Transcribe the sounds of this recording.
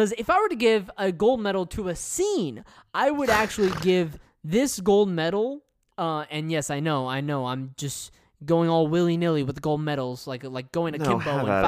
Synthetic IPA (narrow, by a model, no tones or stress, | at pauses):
ʌzɨfaɪwə˞ɾɨɡɪvɨɡoʊlˠd̚mɛɾl̩ˠtʰɨɨsĩn | ʔaɪwɨɾæk̚t͡ʃul̩ˠiɡɪv | ðɪsɡ̥oʊlˠd̚mɛɾl̩ˠ | ʌɨ̃njɛsaɪnoʊaɪnoʊãɪ̃md͡ʒʌs | ɡ̥oʊɪ̃ŋɔlˠwɪlˠĩnɪlˠiwɨðɡoʊlˠd̚mɛɾl̩ˠz̥laɪklaɪk̚ɡ̥oʊɪ̃ŋɨkɪ̃nboʊə̃